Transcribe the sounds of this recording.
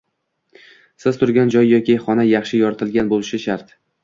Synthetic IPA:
sɪz̥t̪ʰʊɾɡʲand͡ʒɒjːɒkʲʰiχɒnajɑχʃɪjɒɾt̪ʰɪlɡʲanbolɪʃɪʃaɾt̪

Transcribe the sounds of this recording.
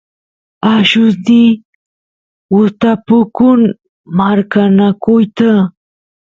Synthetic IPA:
aʃusd̪i | uɾt̪apukun | maɾkanakojt̪a

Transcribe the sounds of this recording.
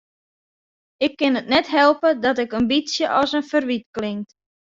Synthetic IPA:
ɪkːɪnətnɛtɦɛlˠpədɔtɪkənbisjəʔɔsənfərʋitklɪŋt

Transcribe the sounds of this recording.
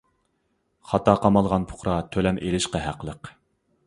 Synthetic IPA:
χɑt̪ʰɑqʰɑmɑlˠʁɑnpʰʊ̥χɾɑt̪ʰølɛmʔelɪʃqɑɦæqəlˠəq

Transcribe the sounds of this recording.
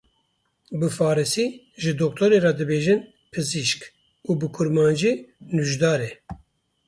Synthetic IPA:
bɨfɑːɾɨsiː | ʒɨd̪ɔk̚t̪ʰoɾeɾɑd̪ɨbeːʒɨn | pʰɨziʃk | uːbɨkʰʊɾmɑːnd͡ʒeːnuʒd̪ɑːɾɛ

